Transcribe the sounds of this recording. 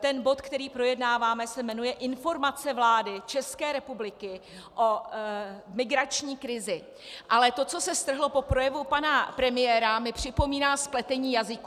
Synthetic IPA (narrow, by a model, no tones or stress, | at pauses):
t̪ɛnbo̞t̪kt̪ɛɾiːpɾo̞jɛdnaːvaːmɛsɛmɛnujɛʔɪnfo̞ɾmat͡sɛvlaːdɪt͡ʃɛskɛːɾɛpublɪkɪ | ʔo̞ | mɪɡɾat͡ʃɲiːkɾɪzɪ | ʔalɛt̪o̞t͡so̞sɛst̪r̩ɦlo̞po̞pɾo̞jɛvupanapɾɛmɪjɛːɾamɪpr̝̥ɪpo̞miːnaːsplɛt̪ɛɲiːjazɪku